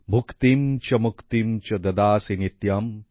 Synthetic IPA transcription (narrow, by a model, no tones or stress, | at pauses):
bʱukt̪imt͡ʃɐmukt̪imt͡ʃɐd̪ɐd̪aːsinit̪jɐm